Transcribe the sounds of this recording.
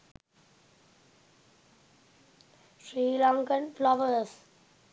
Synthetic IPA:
ʃɾiːlɔ̃ŋkənflɔʋəs

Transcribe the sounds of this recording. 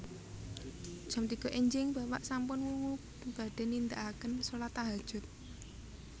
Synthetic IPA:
d̥ʒ̥ɔ̤mt̪iɡ̥ɔ̤ʔeɲd͡ʒɪŋbapa̰ʔsampʊnwuŋu | b̥a̤ɖ̥e̤nind̪aʔakənsolat̪aɦad̥ʒ̥ʊ̤t̪̚

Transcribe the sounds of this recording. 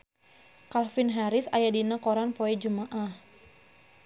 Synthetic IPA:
kalfɪnɦaɾɪsajadinakoɾanpoɛd͡ʒumaʔah

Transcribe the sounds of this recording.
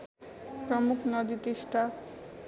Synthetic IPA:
pɾɔmukʰnɔd̪it̪esʈa

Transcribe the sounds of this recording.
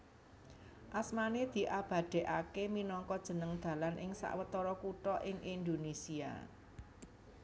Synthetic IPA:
ʔasmaned̪̥i̤ʔab̥ä̤d̪̥ɛ̤ʔakeminɔŋkɔd̥ʒ̥ə̤nəŋd̪̥ä̤lanʔɪŋsa̰ʔwət̪ɔɾɔkuʈɔʔɪŋʔind̪onesia̰

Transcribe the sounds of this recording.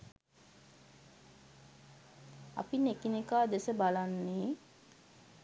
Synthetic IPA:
a̰pinekinekaːd̪esəbalanːeː

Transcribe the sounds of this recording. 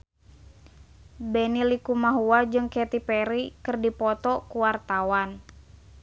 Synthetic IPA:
bɛnilikumaɦuwad͡ʒɨŋkɛt̪ipɛɾikɨrdipɔt̪ɔkuwart̪awan

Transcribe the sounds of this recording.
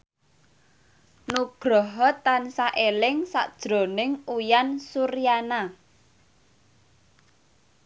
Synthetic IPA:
nuɡ̥ɾɔɦɔt̪ːansaʔelɪŋsa̰ʔd̥ʒ̥ɾo̤nɪŋujansuɾijana

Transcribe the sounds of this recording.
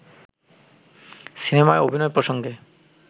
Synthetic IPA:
sinemaeʔobʱinɔepɾoʃoŋɡe

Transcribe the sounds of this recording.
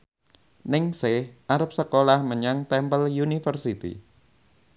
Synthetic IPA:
nɪŋsehʔaɾəp̚səkolahməɲaŋt̪ɛmpəljunifərsit̪ḭ

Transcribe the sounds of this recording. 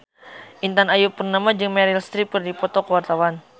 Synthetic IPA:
ʔint̪anajupːərnamad͡ʒɨŋmɛɾilst̪ɾip̚kɨrdipɔt̪ɔkəwart̪awan

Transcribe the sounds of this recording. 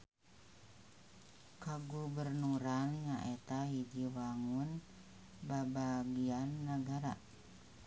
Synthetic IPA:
kaɡubərnuɾanjaʔɛt̪aɦid͡ʒiwaŋun | babaɡianːəɡaɾa

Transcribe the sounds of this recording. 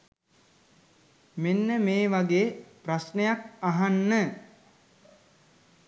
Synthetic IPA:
menːəmeːʋaɡeːprasnejak̚aɦanːə

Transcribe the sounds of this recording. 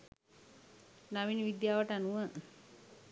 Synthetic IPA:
naʋiniʋid̪jaːʋəʈənuə

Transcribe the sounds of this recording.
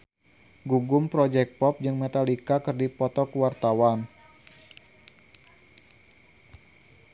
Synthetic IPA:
ɡuɡʊmpɾɔd͡ʒɛk̚pɔp̚d͡ʒɨŋmɛt̪alikakɨrdipɔt̪ɔkwart̪awan

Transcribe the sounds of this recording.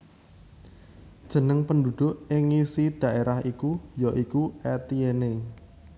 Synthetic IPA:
d̥ʒ̥ə̤nəŋpəndud̪̥ʊ̤ʔɪŋisid̪̥ä̤ʔeɾahikujɔʔikuɛt̪iene

